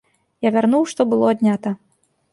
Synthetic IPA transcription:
javʲarnuwʂt̪ɔbɨlˠɔd̪ʲnʲat̪ɐ

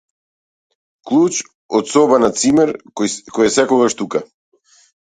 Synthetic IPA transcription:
klˠut͡ʃ | ɔt̪sɔbanat̪simɛɾkɔjɛsɛkɔɡaʃt̪uka

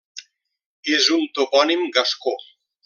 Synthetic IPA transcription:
ezunt̪opɔnimɡasko

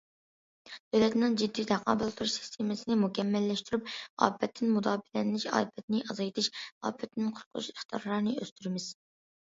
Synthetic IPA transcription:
d̪̥øwlɛt̪nɨŋd͡ʒid̪ːit̪ʰæqʰɑ̰ːbɛlˠt̪ʰuʃsi̥st̪ʰemɨsɪnɪmukʲʰɛmːɛlːɛʃt̪yɾyp̚ɑ̰ːpʰːɛt̪ʰːɪnmud̪ɑːbɪlɛnlɪʃɑ̰ːpʰɛt̪nɪʔɑzɑjt̪ʰɪʃɑ̰ːpʰɛt̪ːnɪnqʰʊɾqʰʊ̰ʃeχt̪ʰjɑ̰ɾlˠɑɾnɨøst̪ʰyɾɪmɪz̥

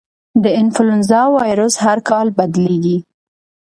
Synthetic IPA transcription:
d̪əɪnfʊlʊnzɑwɑjɾʊshaɾkɑlbad̪leɡi

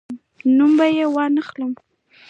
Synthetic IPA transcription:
numbajewɑnəxləm

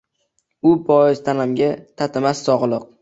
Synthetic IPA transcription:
ʊpʰɒɪzt̪ʰanamɡʲat̪ʰat̪ʰɪmasːɒʁlˠɨq̚

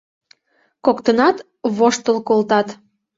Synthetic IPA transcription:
kokt̪ənɑt̪ | βoʃt̪əlkolt̪ɑt̪

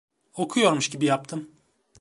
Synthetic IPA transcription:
o̞kʰujo̞ɾmuʃɟibijap̚t̪ʰɯm

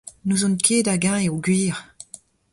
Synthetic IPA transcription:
nuzɔ̃nkʰeːdaɡãeoɡɥiːʁ

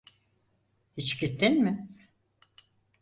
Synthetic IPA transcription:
hit͡ʃcit̪ʰːinmɪ

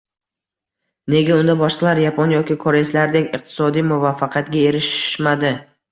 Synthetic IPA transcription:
ne̞ɡʲaʊnd̪abɒʃqɑlˠaɾjapʰonjɒkʲɪkʰoɾeslaɾd̪ekʲɨq̚t̪ʰɪ̥sɒd̪ijmʊvafːaqʰjat̪̚ɡʲae̞ɾɪʃmad̪ɪ

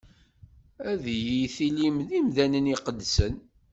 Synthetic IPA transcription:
æðjiθilimðimðænəniqəd̪ːsən

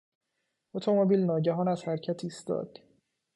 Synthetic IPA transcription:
ot̪ʰo̞mobiːlnɒːɟæɦɒːnæz̥hæɾcʰæt̪ʰiːst̪ɒ̰ːd̪̥

